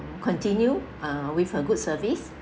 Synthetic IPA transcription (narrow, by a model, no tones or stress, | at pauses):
kʰɔ̃ntĩnju | awifhəɡut̚səvis